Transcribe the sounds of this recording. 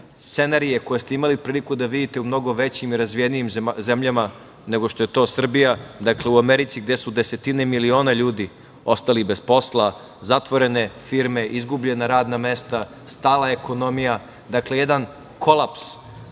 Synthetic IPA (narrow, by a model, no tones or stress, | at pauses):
sse̞naɾije̞ko̞jest̪eimalipɾiːlikud̪aʋid̪it̪e̞umno̞ɡo̞ʋe̞t͡ɕimiɾazʋijenijimzemʎama | ne̞ɡoʃt̪o̞je̞t̪o̞ːsr̩bijad̪akle̞uameɾit̪siɡd̪e̞sud̪ese̞t̪ine̞milio̞ːnaʎuːd̪i | o̞st̪alibespo̞slˠa | zat̪ʋo̞ɾe̞ne̞fiːɾmeʔizɡubʎe̞naɾaːd̪name̞st̪a | st̪aːlˠae̞ko̞no̞mija | d̪akle̞jed̪an | kʰo̞lˠaps